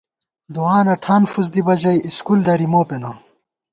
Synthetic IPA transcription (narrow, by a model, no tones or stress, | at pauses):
d̪uaːnɐʈʰaːnfuz̬d̪ibɐd͡ʑɐjiskuld̪ɐɾimoːpena